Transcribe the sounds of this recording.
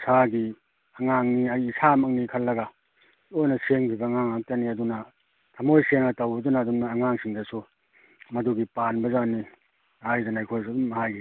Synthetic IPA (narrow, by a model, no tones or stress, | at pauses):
sʰaɡi | ɐŋaŋniɐjːsʰamɐŋnikʰɐlːɐɡɐ | ojnɐseŋpʰibɐŋaŋak̚tɐniɐdunɐ | tʰɐmojseŋɐtɐwbɐdunaːdumnɐːŋaŋsiŋdɐsu | mɐduɡipanbɐzani | hajdanajkʰojsdumɐɦajɡi